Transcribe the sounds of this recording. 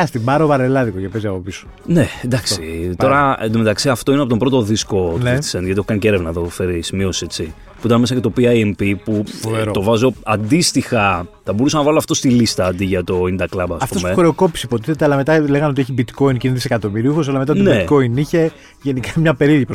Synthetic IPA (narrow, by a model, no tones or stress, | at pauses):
ɐst̪ibɐɾovɐɾelɐðikocepe̞ziɐpo̞piso̥ | ned̪ɐfkstit̪oɾɐmet̪ɐksiɐft̪o̞inɐpot̪ombɾo̞t̪oðisko̞tnet̪i̥sendʝɐt̪ieçokaniceɾevnɐeðofe̞ɾisimio̞set͡si | puit̪ɐnme̞sɐcet̪o̞piɐjempipuovɾot̪o̞vɐzo̞ɐnd̪ist̪ixɐ | θɐbo̞ɾusɐnɐvɐloɐft̪o̞st̪ilist̪ɐd̪iʝɐt̪o̞ind̪ɐklɐbɐsɐftp̪osumeuxɾe̞oko̞piseipo̞t̪iθet̪eɐlɐme̞t̪ɐle̞ɣɐnot̪̬ieçibit̪ko̞inciniðisekɐt̪o̞miɾiuxo̞s̬ɐlɐmet̪ɐt̪nebitko̞iniçe̞ | ʝe̞nikɐmɲɐpe̞ɾiɾjɐpɾo